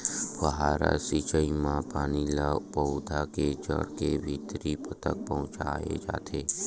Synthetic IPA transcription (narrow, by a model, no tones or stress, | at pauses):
bəɦaːɾa̰sit͡ʃəimãpaːnilapəʊd̪ʱaket͡ʃə̰ɽkebʱit̪ɾipət̪ək̚pəɦʊ̃t͡ʃaːḛd͡ʒa̰ːt̪ʰeː